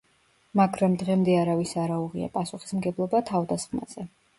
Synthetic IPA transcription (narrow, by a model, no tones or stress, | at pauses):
maɡʰɾamd̪ʁɛmd̪ɛaɾavisaɾauʁia̰pʼasuχi̥smɡɛblˠɔbat̪ʰavd̪asχma̰z̥ɛ